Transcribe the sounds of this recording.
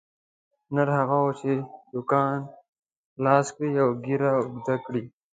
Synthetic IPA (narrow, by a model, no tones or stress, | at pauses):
naɾɦaɣaot͡ʃʰed̪ʊkɑːn | lɑːskɽiawɡiɾaʊɡd̪akɽi